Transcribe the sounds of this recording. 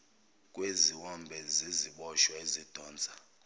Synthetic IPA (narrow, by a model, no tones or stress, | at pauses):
kʼweziwɔmbʱɛziziɓɔʃɔezid̥ʱɔːnd͡zʱʼa